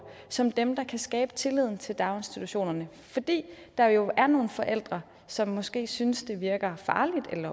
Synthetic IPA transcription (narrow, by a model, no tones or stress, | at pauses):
sɒ̽md̥emd̥ɑ̈kʰæsɡ̥ɛ̰ːb̥ə̥t͡sʰe̝lið̞̰ˠn̩t͡sʰe̝ld̥ɑ̈ʊe̝nsd̥it͡sʰuɕo̝̰ːnɐnə | fɒ̽d̥ḭː | d̥ɑ̈jo̝æɐno̝ːn̩fɒ̽ʔel̰d̥ʁɐ | sɒ̽mːɒ̽sɡ̥e̝̰ːsynsd̥e̝ʋiɐɡ̥ɐfɑ̈ːlid̥elɐ